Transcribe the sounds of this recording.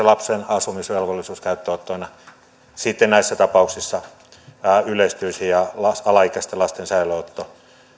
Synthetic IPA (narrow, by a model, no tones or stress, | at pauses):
elɑpsenɑsumisʋelʋolːisuːskæyt̪ːøot̪ːoːnɑ | sit̪ːennæisːæt̪ɑpɑuksisːɑ | ylest̪yisijɑlɑsɑlɑikæst̪elɑst̪ensɑiloot̪ːo